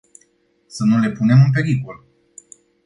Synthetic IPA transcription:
sənule̞pune̞mɨmpe̞ɾikol

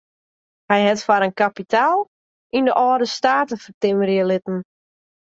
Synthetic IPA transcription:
hɛjɦɛtfaɾənkapitʰaːlˠ | ʔindəʔɔːdəstaːtəfərtɪməɾjəlɪtən̩

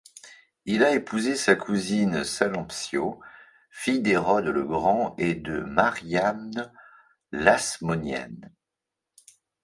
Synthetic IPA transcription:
ilaepʰuzesakʰuzinsalɑ̃psjo | fijd̪eʁɔd̪ələɡʁɑ̃ed̪əmaʁjam | lasmɔnjɛ̰n

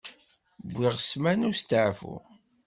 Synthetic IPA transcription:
bʷːiʁəsmænust̪əʕfṵ

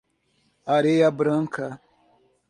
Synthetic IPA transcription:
aɾejabɾəŋkʰa

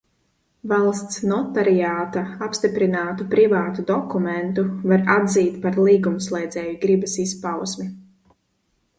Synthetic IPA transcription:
valˠst̪snɔt̪aɾiaːt̪aapst̪ipɾinaːt̪upɾivaːt̪ud̪ɔkumɛnt̪uvaɾad̪ziːt̪paɾlˠiːɡumslˠɛjd̪zʲɛːjiɡɾibɐsispawsmi

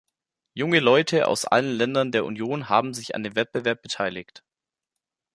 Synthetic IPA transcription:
jʊŋəlɔʏtʰəʔa̰ʊsʔa̰lənlɛndɐndeːɐʔṵnjoːnɦaːbm̩zɪça̰ndeːnvɛt̚b̥əvɛɐp̚b̥ətʰaɪlɪkt

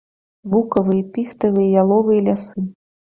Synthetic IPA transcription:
bukɐvɨjɐpʲixt̪ɐvɨjɐjalˠɔvɨjɐlʲasɨ

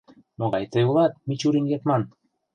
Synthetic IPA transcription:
moɣɑjt̪əulɑt̪̚mit͡ɕuɾiŋɡet̪mɑn

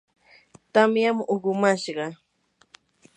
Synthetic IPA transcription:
t̪amjamoɢʊmaʃɢɑ

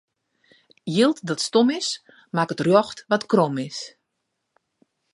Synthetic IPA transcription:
jilˠtdɔtstomɪs | makətrjɔxtʋɔtkromɪs

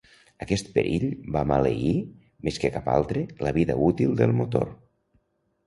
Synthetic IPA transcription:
əkɛst̪̚pəɾʔiʎbamaleɣi | meskəkapa̰lˠt̪ɾeləβiðəut̪ilˠd̪əlˠmut̪o̰ɾ

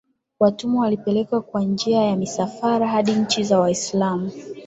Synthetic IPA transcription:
watumɔwalipɛlɛkwakwand͡ʒiajamisafaɾaɦaɗiɲ̩t͡ʃizawaislamu

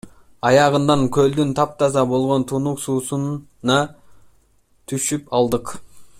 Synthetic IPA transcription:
ɑjɑʁənd̪ɑŋkʲʰɵld̪ynt̪ʰɑp̚t̪ʰɑzɑbo̞lˠʁo̞nt̪ʰunuqsuːsun | ɑ | t̪ʰyʃypɑlˠd̪əq

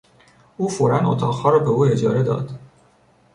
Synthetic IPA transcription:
uːfoɾæno̰t̪ʰɒːɣhɒːɾɒːbeuːe̞d͡ʒɒːɾe̞d̪ɒ̰ːd̪̥

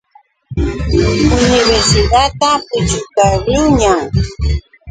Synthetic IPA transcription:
ʊnɪβeɾsɪd̪at̪apʊt͡ʃʊkaɾʊɲaŋ

